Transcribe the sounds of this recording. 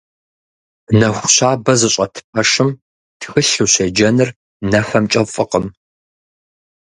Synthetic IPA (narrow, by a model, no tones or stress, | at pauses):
nɐxʷʊɕaːbɐzɨɕʼɐtʰɨ̥p̚ʰɐʂɨm | tʰxɨɬuɕed͡ʒɐnɨr | nɐfɐmt͡ʃʼɐfʼɨqəm